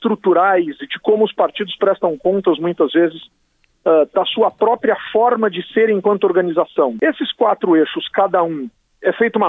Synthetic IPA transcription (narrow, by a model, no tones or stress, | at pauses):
t̪ɾut̪uɾajzɪd͡ʒɪkõmʊʊspaɾt͡ʃid̪ʊspɾɛst̪ɐ̃w̃kõnt̪ɐzmũj̃t̪ɐzvezɪs | ɛd̪ɐsuɐpɾɔpɾiɐfɔɾmɐd͡ʒɪseɾẽkwɐ̃nt̪ʊoɾɡɐnizasɐ̃w̃esɪskwat̪ɾʊeʃʊskad̪ɐũ | ɛfejt̪ʊumɐ